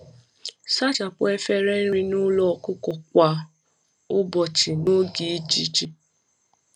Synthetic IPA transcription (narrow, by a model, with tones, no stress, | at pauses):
sa˦t͡ʃa˨k͡po˦ɛ˧fɛ˦ɾɛ˦ɾ̃ĩ˧nũ˦lɔ˦˨ku˦kɔ˨k̚ʷa˨ | o˦bɔ˧˨t͡ʃi˨nũ˦ɡi˨˦d͡ʒi˦˨t͡ʃi˨